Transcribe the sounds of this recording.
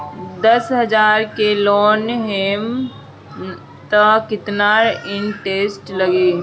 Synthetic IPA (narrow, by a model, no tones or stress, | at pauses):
d̪əsɦəd͡ʒaːɾkelɔːnɦeːm | t̪əkɪt̪naɾɪnʈeːsʈləɡeː